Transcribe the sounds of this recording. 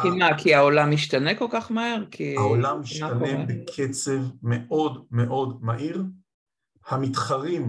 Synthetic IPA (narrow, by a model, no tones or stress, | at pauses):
kimakiaolamiʃtaneko̞lkaχmaheʁkʰiaolamiʃaanebekʰet͡se̞vmeo̞dme̞ʔo̞dmaʔiʁ | hamitχaʁim